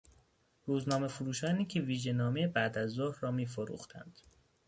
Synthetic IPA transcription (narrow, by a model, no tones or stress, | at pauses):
ɾuːznɒːme̞foɾuːʃɒːniːcʰeviːʒe̞nɒːmejebæʔd̪æzːohɾrɒːmiːfoɾṵːxt̪ʰæ̰nd̪̥